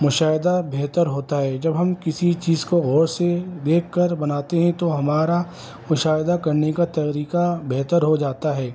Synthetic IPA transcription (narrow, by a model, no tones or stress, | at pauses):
mʊʃaːɦɪd̪abeɦt̪əɾɦoːt̪aɦɛːd͡ʒɐbɦɐmkɪsit͡ʃiːzkoɣɔːɾsed̪eːkʰkːɐɾbɐnaːt̪eɦɛ̃t̪oɦɐmaːɾa | mʊʃaːɦɪd̪akɐɾnekat̪ɐkɾiːkabeɦt̪əɾɦod͡ʒaːt̪aɦɛː